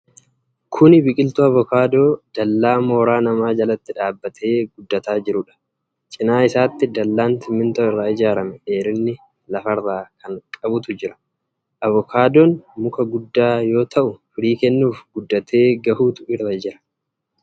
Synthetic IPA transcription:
kʰʊnɪbɪkʼɪlt̪ʊɐvɔkaːd̪o̞ːd̪̥ɐlːaːmo̞ːɾaːnɐmaːd͡ʒɐlɐt̪ːɪᶑaːbːɐt̪ʰe̞ːɡʊd̪ːɐt̪aːd͡ʒɪɾʊᶑɐ̥ | t͡ʃʼɪnaːɪsaːt̪ːɪd̪ɐlːaːnt̪ɪmːɪnt̪oɪrːaːɪd͡ʒaːɾɐmɛeːɾɪnːɪ | lɐfɐrːaːkʰɐŋkʼɐbʊt̪ʊd͡ʒɪɾɐ̥ | ʔɐvɔkʰaːd̪oːnmʊkɐɡʊd̪ːaːjo̞ːt̪ʰɐʔʊfɪɾiːkɛnːuːfɡʊd̪ːɐt̪ʰe̞ːɡɐhuːt̪ʊʔɪrːɐd͡ʒɪɾɐ̥

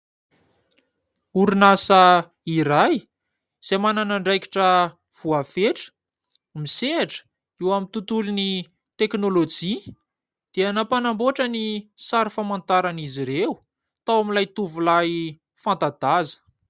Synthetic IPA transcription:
uɾunasə | iɾaj | z̥emananaɳɖ͡ʐajki̥ʈ͡ʂə | v̥uafeʈ͡ʂə̥ | miseaʈ͡ʂə̥ | iwamint̪ut̪uluni | t̪eknolod͡ʒi | d̪̥eanapanamboʈ͡ʂənisaɾifamant̪aɾaniziɾewu | t̪awamilajt̪uvulaj | fant̪ad̪azə̥

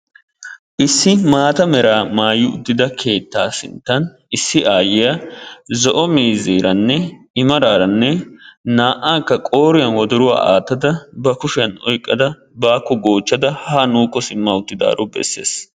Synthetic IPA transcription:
ʔɪsːɪmaːt̪ɐmɛɾaːmaːjɪʊ̰d̪ːɪd̪ɐkʰe̞ːt̪ːaːsɪ̰nt̪ːɐn | ɪsːɪʔaːjɪjɐzɔʔɔmiːziːɾɐnːɛ | ɪmɐɾaːɾɐnːɛnaːʔaːkːɐkʼo̞ːɾɪjɐnwɔd̪ɔɾʊwa̰ːʔa̰ːt̪ːɐd̪ɐbɐkʊʃɪɐnɔ̰jkʼːɐd̪ɐ | baːkːɔɡo̞ːt͡ʃːɐd̪ɐhanuːkːɔsɪmːɐʊt̪ːɪd̪a̰ːɾɔbɛ̰sːe̞̰ːs

